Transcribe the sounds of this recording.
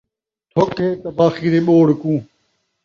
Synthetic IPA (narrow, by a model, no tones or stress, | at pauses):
t̪ʰokeːt̪ɐbaːxiːɾeːɓoːɽkũː